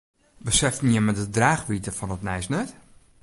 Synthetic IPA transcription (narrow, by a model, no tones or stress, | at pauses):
bəsɛftniəmədədraːxʋitəfɔnətnɛjsnœt